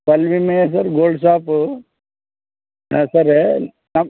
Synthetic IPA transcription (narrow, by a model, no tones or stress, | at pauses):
kɐlʋimes̬ɐɾɡoːlɖs̬aːp | ã̰ːsɐɾ | nɐm